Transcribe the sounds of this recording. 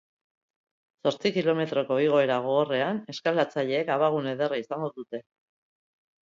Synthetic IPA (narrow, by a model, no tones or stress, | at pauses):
so̞ɾt͡sikilo̞me̞t̪ɾo̞ko̞iɣ̞o̞e̞ɾaɣ̞o̞ɣore̞ane̞skalat͡saʎe̞ːkaβaɣ̞une̞ð̞e̞raisaŋɡo̞ðut̪e̞